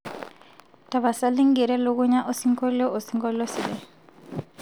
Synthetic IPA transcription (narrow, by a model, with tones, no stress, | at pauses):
ta˨βa˨sa˦lɪ˦ŋ̩˦ɡi˨ɾɛ˦lo˦kʊ˦ɲa˦ʔo˦si˦ŋ˦kɔ˦lɔ˦ʔo˨si˦ŋkɔ˦lɔ˦si˨lɛ˦